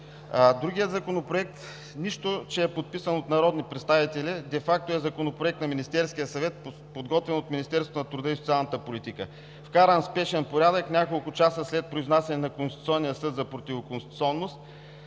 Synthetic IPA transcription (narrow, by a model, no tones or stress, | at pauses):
d̪ɾuɡʲijəd̪zɐkonopɾoɛk̚t̪ | niʃt̪ot͡ʃɛɛpot̪̚pisənot̪nɐɾɔd̪nipɾɛt̪st̪avit̪ɛlid̪ɛfak̚t̪oɛzɐkonopɾoɛk̚t̪nɐminist̪ɛɾskijəsɐvɛt̪̚ | pod̪ɡɔt̪vɛnot̪minist̪ɛɾsot̪nɐt̪ɾʊd̪əisot̪sʲialˠnət̪əpolʲit̪ikə | fkaɾənspɛʃɛnpoɾʲad̪əknʲakolˠkʊt͡ʃasəslɛt̪̚pɾoiznasɛnɛnɐkonst̪it̪u̥sʲɔnːijəsɤd̪zɐpɾot̪ʲivokonsʲit̪u̥tsʲɔnːost̪